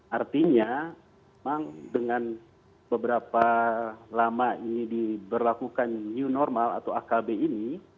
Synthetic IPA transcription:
ʔart̪iɲamemaŋdəŋan | bəbəɾapalamainidibərlakukanɲiunɔrmala̰t̪awakabeini

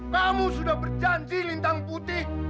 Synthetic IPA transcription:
kamusudahbərd͡ʒaɲd͡ʒilint̪aŋput̪ih

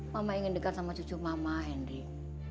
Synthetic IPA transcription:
mamaiŋɪndəkansamat͡ʃut͡ʃurmamaɦɛndi

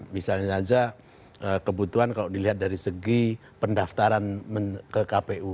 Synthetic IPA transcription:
misalɲasad͡ʒa | əkəbut̪uankaloʔdiliɦat̪̚daɾisəɡi | pəndaft̪aɾanməkəkapeʔu

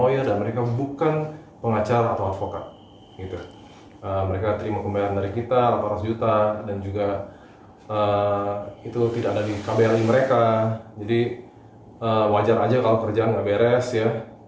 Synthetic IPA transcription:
ojirdanməɾekabukan | pəŋat͡ʃaɾaːt̪awat̪fokat̪̚ | ɡit̪u | əməɾekat̪əɾimakəmbajaɾandaɾikit̪alapaɾasd͡ʒut̪adand͡ʒuɡa | ə | it̪ut̪idakadadikabaaɾiməɾekad͡ʒadi | əwad͡ʒaɾad͡ʒakalokərd͡ʒaanɡaʔbeɾɛsja

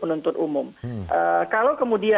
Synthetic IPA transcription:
pənunt̪ʊt̪umʊmʔəkalawkəmudia

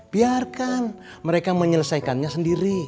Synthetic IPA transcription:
b̥iarkan | məɾekaməɲələsajkanɲasəndiɾi

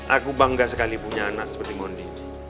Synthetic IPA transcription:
ʔakubaŋɡasəkalipuɲaːnaʔsə̥pərt̪imɔndi

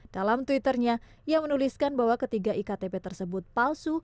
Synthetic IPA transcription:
d̥alamt̪wit̪ərɲa | jamənuliskanbaɦwakət̪iɡaʔikat̪epɛt̪ərsəbʊt̪̚palsu

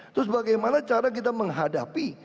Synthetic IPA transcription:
t̪ɾʊs̬baɡajmanat͡ʃaɾak̬it̪aməŋɦadapi

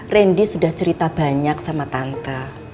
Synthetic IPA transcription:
rɛndisudaht͡ʃəɾit̪ab̥a̤ɲak̚samat̪ant̪a

